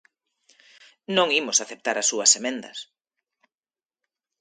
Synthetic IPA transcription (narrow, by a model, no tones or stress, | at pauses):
nõŋimʊsaθep̚t̪aɾɐsːuɐsemẽnd̪ɐ̰s